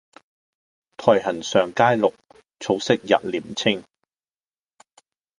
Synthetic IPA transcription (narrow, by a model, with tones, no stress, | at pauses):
t̪ʰɔː˨˩jɦɐ˨˩nsœː˨ŋkaː˥jlʊ˨k̚ | t͡sʰo˨˧wsɪ˥k̚jɐ̰˨t̚liː˨˩mt͡sʰɪ˥ŋ